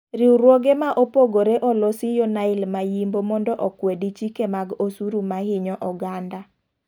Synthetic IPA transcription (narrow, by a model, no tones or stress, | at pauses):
ɾiuɾwoɡemaʔopoɡoɾeʔɔlɔsɪjɔnaɪlmajimbomɔndɔʔɔkwedit͡ʃikemaɡosuɾumahɪɲɔʔɔɡanda